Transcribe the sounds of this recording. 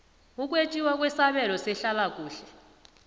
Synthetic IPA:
uk̬ʼwet͡ʃʼiwak̬ʼwɛsaβɛlɔsɛɬalak̬ʼuːɬɛ

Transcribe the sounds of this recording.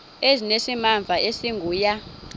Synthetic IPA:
ezinesimaɱvʱaʔesiŋɡʱuːja

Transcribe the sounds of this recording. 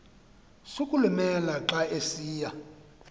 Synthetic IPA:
sukʼulumɛlaǁaesiːja

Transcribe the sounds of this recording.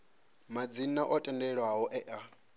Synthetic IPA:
mad͡zinaʔɔtʼɛndɛɺwaɦɔʔɛʔa

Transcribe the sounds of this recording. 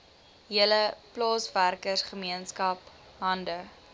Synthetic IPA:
ɦiələplɑːsværkəsχəmiənskɐp | ɦɐndə

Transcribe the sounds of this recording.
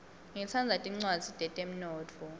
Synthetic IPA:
ŋɛt͡sʰand͡zʱatʼiŋ͡ǀwadd͡z̥ʱsid̥ʱɛtʼem̩nɔːt͡fʰɔ

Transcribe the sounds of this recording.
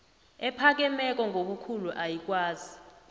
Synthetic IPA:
ɛpʰak̬ɛmɛk̬ɔŋʱoɓukʰuluʔajik̬ʼwaːzi

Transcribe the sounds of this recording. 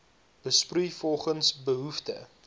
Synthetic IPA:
b̥əsprujfɔlˠχənsbəɦuftə̰

